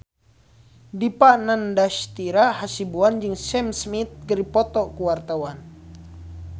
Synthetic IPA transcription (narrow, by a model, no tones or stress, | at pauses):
dipanandaʃt̪iɾahasibuand͡ʒɨŋsɛmsmit̪̚ɡəɾipɔt̪ɔkuwart̪awan